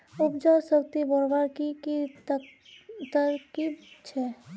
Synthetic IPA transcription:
ʊpd͡ʒaɾsək̚t̪ibɔɾbaɾkiki | t̪əɾkibt͡ʃʰɛ

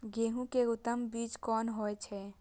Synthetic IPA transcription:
ɡeːɦũkeʊt̪ːəmbiːt͡ʃkɔːnɦoɛt͡ʃʰɛ

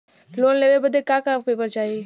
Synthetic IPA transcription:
loːnleːʋebəd̪ekaːkaːpeːpəɾt͡ʃaːiː

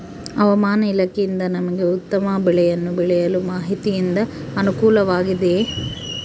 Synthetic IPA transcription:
ɐʋɐmaːnɐilɐkejind̪ɐnɐmɐɡe̞ut̪ːɐmɐbɛɭɛjɐnːubɛɭɛjɐlumaːɦit̪ijind̪ɐ | ɐnukuːlɐʋaːɡid̪e̞

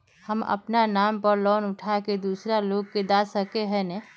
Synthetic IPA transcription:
hə̰mə̰pnanaːmpəɾlɔːnʊʈʰaked̪uːsɾaloːɡ̚ked̪asəkeɦɛ̃nɛ

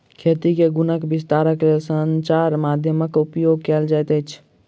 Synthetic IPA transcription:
kʰet̪ikeɡunəkbist̪aɾəklesənt͡ʃaɾmad̪ʱjəməkupjoɡ̚kɛld͡ʒajt̪əjt͡ʃʰ

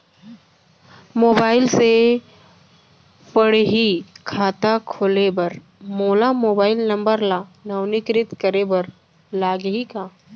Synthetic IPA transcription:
moːbaːɪlse | pəɽɦikʰaːt̪akʰolebɐɾ | moːlamoːbaːɪlnɐ̃mbəɾlaːnɐwnɪkɾɪt̪kəɾebɐɾ | laːɡɦikaː

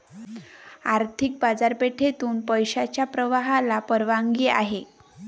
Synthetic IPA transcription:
aɾt̪ʰik̚bad͡zaɾpeʈʰet̪uːnpəjɕat͡ɕjapɾəʋaɦalapəɾʋaŋɡiːa̰ɦe

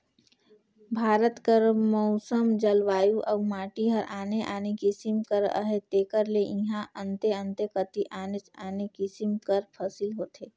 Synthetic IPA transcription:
bʱaːɾət̪kəɾmɔʊsəmd͡ʒəlʋaːjuʔɐʋmaːʈiɦəɾʔaːneʔaːnekisɪmkəɾə̰ɦet̪eːkəɾleʔɪ̃ɦãʔə̃nt̪eə̃nt̪ekət̪iʔaːnet͡ʃaːnekisɪmkəɾpʰɐsɪlɦoːt̪eː

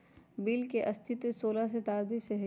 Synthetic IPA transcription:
biːlkeʔɐst̪ʰɪt̪esoːlas̬et̪aːɾd̪iseɦ

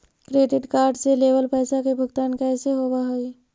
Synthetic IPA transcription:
kɾeːɖɪʈkaːɾɖseleːʋəlpɛːsakebʱʊɡt̪aːnkɛːseɦoːbaɦoi

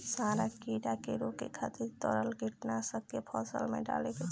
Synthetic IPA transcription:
saːɾakiːɽakeɾokekʰat̪iɾt̪ɔɾəlɡʱiʈnasəkkepʰɔːsə̰lmḛ̃ɖa̰ːleke

